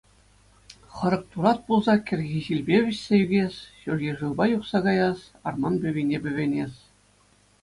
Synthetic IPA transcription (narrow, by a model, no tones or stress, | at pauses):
χɤ̆ɾɤ̆k̚t̪uɾɑt̪̚pulˠzɑkʲɘ̆rʲɣʲiʑilʲbʲeʋʲɘ̆ɕʲsʲejyɡʲesʲɕurʲjʲĕʐɯlˠbɑjuχsɑɡɑjɑs | ɑ̰rmɑnbʲɘ̆βʲinʲebʲɘ̆ʋʲenʲesʲ